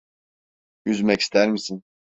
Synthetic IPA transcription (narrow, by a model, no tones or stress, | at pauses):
yzmɛci̥st̪ʰæɾmisin